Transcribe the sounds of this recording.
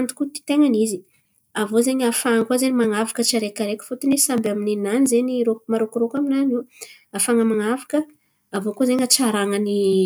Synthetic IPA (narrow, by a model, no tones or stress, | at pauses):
and̪u̥kut̪i̥t̪eŋanizi | avozeɲafaəkwazenimaŋavakət͡ʃaɾekaɾekʲu̥fut̪inesambaminenanizeɲiɾomaɾokuɾokaminanuafaŋəmaŋavakə | avokuzeɲaʈ͡ʂaɾaŋəni